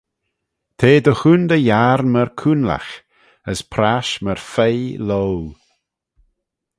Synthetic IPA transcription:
t̪ʰeːd̪əxund̪əjaːɾməɾkʰunla̰x | əspʰɾaʃməɹfejlow

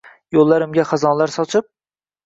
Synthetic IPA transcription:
jolˠːaɾɪmɡʲaχazɒnlˠaɾsɒt͡ʃʰɪp̚

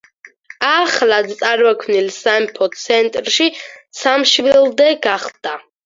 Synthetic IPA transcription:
aχlat̪t̪sʼaɾvɛkʰvmnilsaɛmpʰɔt̪sʰɛnt̪ʼɾʃisʰamʃvilˠd̪ɛɡaχd̪̥a

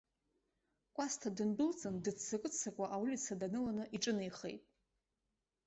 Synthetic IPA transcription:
kʷʼastʰadɨnbɨlt͡sʼɨndɨt͡sʰːakʼɨt͡sʰakʷʼaʔawulit͡sʰadanɨlanɨʔiʈ͡ʂʼɨnejχḛjtʼ

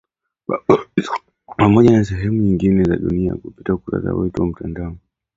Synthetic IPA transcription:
pamɔʄanas̬ɛɦɛmuɲiŋɡinɛza̰ɗunia̰kupi̥taukuɾa̰sa̰wɛtuwam̩tandaɔ

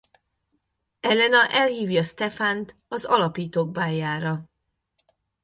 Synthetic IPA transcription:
ɛlːɛnɒʔɛlhiːvjɒst̪ɛfant̪ɒzɒlɒpiːt̪oːɡ̚baːjaːɾɒ

